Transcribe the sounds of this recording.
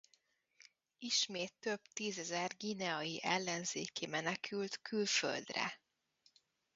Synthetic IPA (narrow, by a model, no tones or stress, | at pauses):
iʃmeːt̪ːø̞bt̪iːzɛzɛrɡinɛɒjiʔɛlːɛnzeːkimɛnɛkʰylt̪kylfø̰ld̪rɛ̰